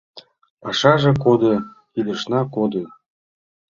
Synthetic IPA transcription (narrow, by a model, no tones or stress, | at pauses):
ɑʃɑʒɤ̆kod̪ɤ̆ | id̪ɤ̆ʃnɑkod̪ɤ̆